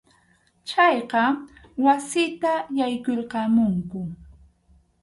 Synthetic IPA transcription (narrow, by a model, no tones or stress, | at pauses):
t͡ʃɑjqɑwasɪt̪ajajkoɾqɑmʊŋkʊ